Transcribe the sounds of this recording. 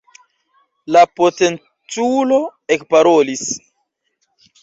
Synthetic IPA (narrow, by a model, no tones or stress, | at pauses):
lapote̞n | t͡sulo̞ekpaɾolis